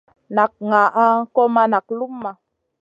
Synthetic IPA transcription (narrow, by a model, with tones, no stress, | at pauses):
na˨k̚ŋa˨ʔa˦kɔ˦ma˦na˨k̚lu˦mːa˨